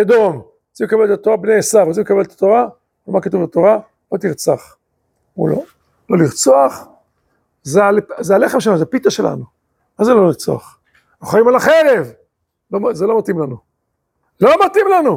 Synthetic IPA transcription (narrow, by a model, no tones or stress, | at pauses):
ad̪om | at͡simekabelet̪at̪oʁabneesavʁat͡simekabelet̪at̪o̞ʁa | vemakat̪uvbet̪o̞ʁa | lot̪iʁt͡saχ | ṵlo̰ | lo̞liʁt͡soaχ | zealzealeχemʃelanuzeapit̪aʃe̞la̰nu | azeloliʁt͡so̰aχ | naχajimalaχeʁev | lomzelo̞mat̪imlanu | lomat̪imlanu